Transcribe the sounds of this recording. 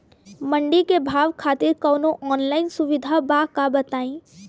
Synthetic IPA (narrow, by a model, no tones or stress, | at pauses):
mə̃ɳɖikebʱaːʋkʰaːt̪ɪɾkɔːnoʔɔːnlaːɪnsʊʋɪd̪ʱabakabɐt̪aːĩː